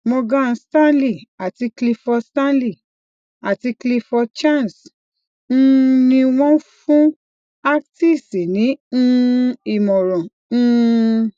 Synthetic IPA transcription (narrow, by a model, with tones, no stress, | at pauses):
mɔ̃˧ɡã˦˧stã˦nli˦˨a˨ti˧kli˧fɔ˧stã˦nli˦˨ | a˨ti˧kli˧fɔ˧t͡ʃã˦˨n˨s | n̩˦˧nĩ˧w̃ɔ̃˦fũ˦ | a˦kti˦˨si˨nĩ˨˦n̩˦i˨mɔ̃˨ɾɔ̃˨ | n̩˦˧